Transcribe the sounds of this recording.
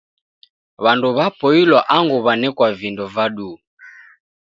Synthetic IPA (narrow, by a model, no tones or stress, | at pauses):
βanduβapɔilwaʔaŋɡuβanɛkwavindɔvaɗu